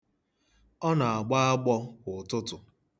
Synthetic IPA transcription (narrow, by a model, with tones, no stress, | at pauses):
ɔ˦na˨a˨ɡ͡ba˦a˦ɡ͡bɔ˦kʊ˨tʊ˦tʊ˨